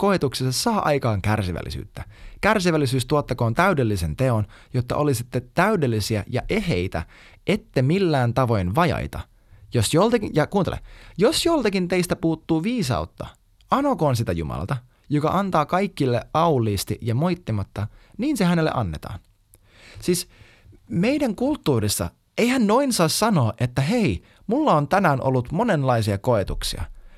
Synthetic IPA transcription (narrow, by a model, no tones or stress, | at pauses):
ko̞et̪uksesɑssɑːʔɑjkɑːŋkærsiʋæ̰lːḭsy̰ːt̪ːækærsiʋælːisyːst̪uot̪ːɑko̞ːnt̪æydelːise̞nt̪e̞o̞njot̪ːɑ̰ʔo̞lisit̪ːet̪æydelːisiæjɑ̰ʔe̞ɦejt̪æ̰ | ʔe̞t̪ːemilːæːnt̪ɑʋo̞jnʋɑjɑ̰jt̪ɑ̰ | josjolt̪ɑkijɑkuːnt̪elḛjo̞sjolt̪ɑkint̪e̞ist̪æpuːt̪ːuːʋiːsɑ̰ut̪ːɑ | ɑnokoːns̬it̪æjṵmɑ̰lɑ̰t̪ɑ | jokɑ̰ʔɑnt̪ɑːkɑjkːilːḛɑulːˑiːst̪iʔjɑmo̞jt̪ːimɑt̪ːɑniːnsehænelːḛʔɑnːe̞t̪ɑ̰ːn | siːs | me̞idæŋkult̪ːuːɾisːɑ̰ | ejhænno̞insɑːssɑno̞ːʔet̪ːæɦe̞i | mulːɑont̪ænæːnʔo̰lːut̪mone̞nlɑisiɑko̞et̪uksḭɑ̰